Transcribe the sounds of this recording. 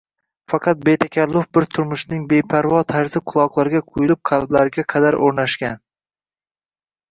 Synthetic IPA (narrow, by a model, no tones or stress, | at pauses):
fɑqʰɑt̪̚be̞t̪ʰakʲalːʊfbɪɾt̪ʰʊɾmʊʃnɪŋbe̞jpʰaɾvɒt̪ʰaɾzɪqʰʊlˠɒqlˠaɾɡʲaqʰʊjɪlɪp̚qʰɑlˠblaɾɪɡʲaqʰɑd̪aɾʔoɾnaʃkʲan